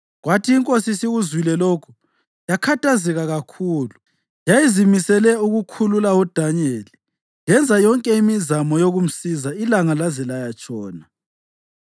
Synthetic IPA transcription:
ɣwatʰiːŋkʼosisiɣuzwilɛloːkʰu̥ | jakʰatʰazɛɣaɣakʰuːlu | jajizimisɛlɛuɣukʰululaud̥ʱaɲeːli | jɛnd͡zʱajɔŋkʼɛimizamɔjoɣum̩sizailaŋalazɛlajat͡ʃʼɔːna

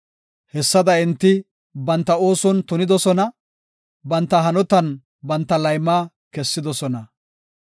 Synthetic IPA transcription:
hɛsːɐd̪ɐɪnt̪ːɪ | bɐnt̪ːɐo̞ːsɔnt̪ʊnɪd̪ɔsɔnɐ | bɐnt̪ːɐɦɐnɔt̪ɐn | bɐnt̪ːɐlɐjmːaː | kɛsːɪd̪ɔsɔnɐ

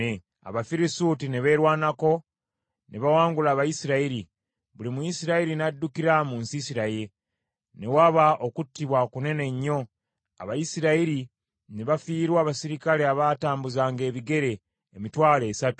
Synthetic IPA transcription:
e | a̰βafiɾisutine̞βe̞ːɾwaːnako̞ | nʔe̞βawaːŋɡulaːβajisiɾaiɾi | βulimujisiɾaiɾinadːukiɾamuːnsisiɾaje | ne̞waβaokutːiβwakune̞ne̞ɲːo̞ | a̰βajisiɾaiɾi | ne̞βafiːɾwaːβasiɾikaleaβataːmbuzaːŋɡe̞ːβiɡe̞ɾe̞ː | mitwaːle̞ːsatu̥

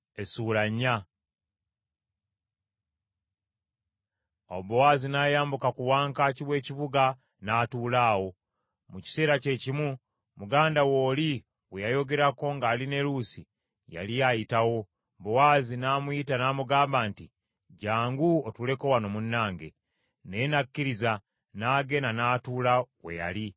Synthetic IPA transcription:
esuːlaɲːa | o̰bowaːzinaːjaːmbukakuwaːŋkaciβwe̞ːciβuɡa | naːtuːlaːwo̞ | muci̥se̞ːɾace̞cimu | muɡaːndawo̞ːli | wejajo̞ɡe̞ɾako̞ŋɡaːline̞lusi | ja̰lijajitawo̞ | bowaːzinaːmujitanaːmuɡaːmbaːnti | ɟaːŋɡuotule̞ko̞wano̞munːaːŋɡe̞̰ | ne̞nakːiɾiza | naːɡe̞nanaːtuːlawe̞̰ja̰li

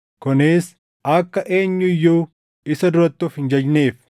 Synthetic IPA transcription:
kʊneːs | ɐkːɐʔe̞ːɲːʊɪjːuː | ɪsɐd̪ʊɾɐt̪ːuːfhɪnd͡ʒɐd͡ʒneːf

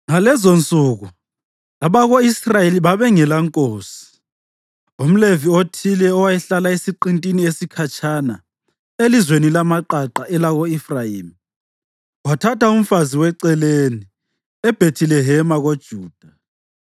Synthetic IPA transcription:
ŋalɛzont͡sʼuːɣu | aβaɣoisrajeliβaβɛŋɛlaŋkʼoːsi̥ | om̩leviotʰilɛɔwajɛɬalaesiǃintʼiniesikʰat͡ʃʰʼana̰ | elizwenilamaǃaǃaʔɛlaɣoifrajiːmi | watʰatʰaum̩faziwɛǀɛleni | ɛb̥ʱetʰilɛɦɛmaɣod̥ʒ̥ʱuːd̥ʱa

